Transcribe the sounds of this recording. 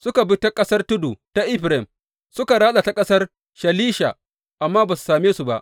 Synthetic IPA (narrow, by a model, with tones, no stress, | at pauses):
sʊ˦ka˨bi˦ta˦kʼɐ˦sɐ˦rtʊ˦du˨ta˦ʔɪ˦ɸɾɛ˨m | sʊ˦ka˨ɽaː˦ɗa˨ta˨kʼɐ˦sɐ˦r | ʃɐ˨liː˦ʃa̰˨ | ʔa˨mːaː˦ba˨su̥˨saː˨meː˦su˨ba˦ʔ